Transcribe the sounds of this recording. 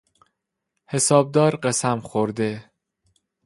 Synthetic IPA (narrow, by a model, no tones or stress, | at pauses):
he̞sɒːb̚d̪ɒːɾɢesæmxoɾd̪e̞